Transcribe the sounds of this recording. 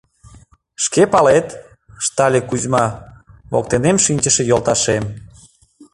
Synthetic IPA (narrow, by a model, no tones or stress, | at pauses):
ʃkepɑlet̪ | ʃt̪ɑlʲekuzmɑβo̰k̚t̪enemʃinʲt͡ɕəʃejolt̪ɑʃem